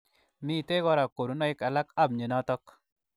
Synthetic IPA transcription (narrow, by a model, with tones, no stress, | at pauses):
mi˦˨te˦kɔ˦ɾa˨ko˨ɾu˨˦nɔ˦ɪ˦ka˨la˦ka˦˨bɲe˨nɔ˦tɔ˦k